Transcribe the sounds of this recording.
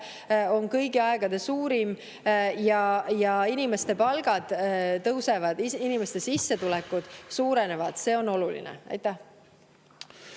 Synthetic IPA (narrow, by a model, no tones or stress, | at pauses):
o̞ŋkɤjɡiɑeɡ̥ɑd̪̥e̞suːɾim | jɑjɑinime̞st̪e̞pɑlɡ̥ɑd̪̥t̪ːɤwsevɑd̪̥iinime̞st̪e̞sisːe̞t̪ulɛkːˑud̪̥suːɾene̞vɑd̪̥se̞o̞no̞lulḭnḛɑ̰jt̪ːˑæh